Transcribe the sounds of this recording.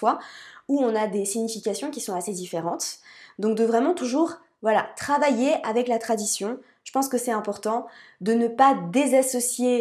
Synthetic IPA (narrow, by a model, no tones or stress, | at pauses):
fwauɔ̃nad̪esiɲifikʲasjɔ̃kʲisɔ̃ased̪ifeʁɑ̃t̪d̪ɔ̃k̚d̪əvʁɛmɑ̃t̪uʒuːʁ | vwalat̪χavajeavɛklat̪χad̪isjɔ̃ | ʒ̥ə̥pɑ̃skəsɛt̪ɛ̃pɔʁt̪ɑ̃d̪ənəpad̪ezasɔsje